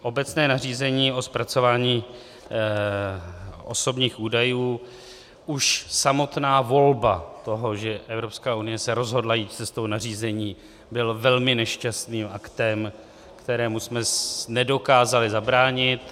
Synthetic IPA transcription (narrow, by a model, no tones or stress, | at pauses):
ʔo̞bɛt͡snɛːnar̝iːzɛɲiːʔo̞spɾat͡so̞vaːɲiː | ʔo̞̰so̞bɲiːxʔuːdajuː | ʔuʃsamo̞t̪naːvo̞lbat̪o̞ɦo̞ʒɛʔɛvɾopskaːunɪjɛsɛɾo̞zɦo̞dlajiːt̪̚t͡sɛst̪o̞wnar̝iːzɛɲiː | bɪlvɛlmɪnɛʃcast̪niːmakt̪ɛm | kt̪ɛɾɛːmusmɛnɛdo̞kaːzalɪzabɾaːɲɪt̪